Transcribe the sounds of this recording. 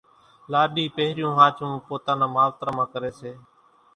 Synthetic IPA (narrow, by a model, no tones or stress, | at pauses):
laːɗiːpeɦɾɪjũːɦaːt͡ʃũːpoːt̪ãːnãːmaːʋt̪ɾaːmãːkəɾeːseː